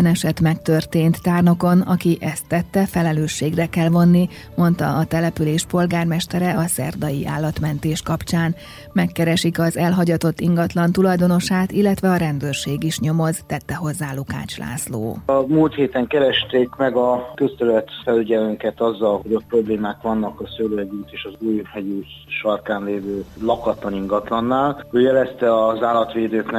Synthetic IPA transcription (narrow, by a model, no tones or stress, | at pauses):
nɛʃɛt̪mɛkt̪ørt̪eːnt̪ːaːrno̞ko̞nɒkiʔɛst̪ːɛt̪ːɛfɛlɛløːʃːeːɡrɛkɛlvo̞nːi | mo̞nt̪ɒ̰ɒt̪ɛlɛpyleːʃpo̞lɡaːrmɛʃt̪ɛɾɛɒsɛ̰rd̪ɒjiʔa̰ːlːɒt̪mɛnt̪eːʃkɒpt͡ʃaːn | mɛkːɛɾɛʃikɒzɛlɦɒɟɒt̪o̞t̪ːiŋɡɒt̪lɒnt̪ulɒjd̪o̞no̞ʃaːt̪ilːɛt̪ʋɛɒɾɛnd̪øːrʃeːɡiʃɲo̞mo̞zt̪ɛt̪ːɛɦo̞zːaːluka̰ːt͡ʃla̰ːslo̰ːɒmult̪heːt̪ɛŋkɛɾɛʃt̪eːkmɛɡɒkøst̪ølɛt̪fɛlyɟɛlyŋkɛt̪ɒzːɒlɦo̞ɟok̚pro̞bleːmaːkʋɒnːɒkɒsøløɛɟyːt̪eːʃɒzuːjhɛjyː | ʃɒrkaːnleːvøːlɒkɒt̪lɒniŋɡɒt̪lɒnːaːløːjɛlɛst̪ɛɒzaːlɒt̪ʋeːd̪øːknɛ